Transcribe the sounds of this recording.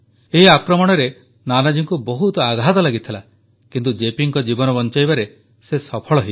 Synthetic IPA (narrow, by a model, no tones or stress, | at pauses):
eɦiakɾɔmɔɽ̃ɔɾe | nanad͡ʒiŋkubɔɦut̪ɔaɡʱɦat̪ɔlaɡit̪ʰila | kint̪ud͡ʒepiŋkɔd͡ʒibɔnɔbɔnt͡ʃajbaɾe | sesɔpʰɔɭɔɦi